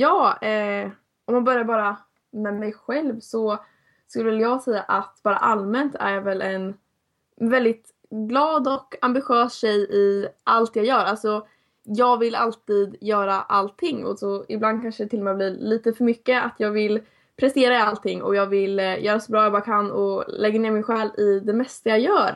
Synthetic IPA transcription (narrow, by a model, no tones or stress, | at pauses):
jɑːɛ | ʔɔmːanbœɾjaɾbɑːɾa | mɛmɛjɧɛlvsɔ | skʉlːəvɛljɑːɡsɛjːaʔat̪b̥ɑːɾa̰ʔalmɛnt̪ʰæ̰ɾjɑvɛlʔɛn | vɛld̪ɪt̪ | ɡlɑːd̪ɔkambɪɧøːsʃɛjɪʔalt̪jɑɡjœːɾalsɔ | jɑːɡvɪlalt̪iːd̪jœːɾaʔalt̪ʰːɪŋːɔ̰sɔɪ̰bland̪̚kʰanʂəd̪ɛt̪ʰɪlːɔmɛːbliːliːt̪əfœɾmʏkːəat̪ʰjɑːɡvɪl | pʰɾɛst̪eːɾaalt̪ʰɪŋːɔ̰jɑːɡvɪljœːɾasɔbɾɑːjɑbɑːɾakʰanːɔ̰lɛɡːaneːɾmɪnɧɛːlɪd̪ɛmɛst̪ajajœːɾ